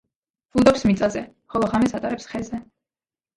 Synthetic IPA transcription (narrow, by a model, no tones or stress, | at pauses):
ud̪ɔpsmit̪sʼazɛ | χɔlˠɔʁamɛsat̪ʼaɾɛpsχɛzɛ